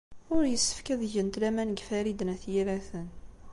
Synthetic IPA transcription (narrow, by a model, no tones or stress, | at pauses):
ʊɾjəsːə̥fkæðʝənt̪læmænɡfæɾid̪næθjiɾæθən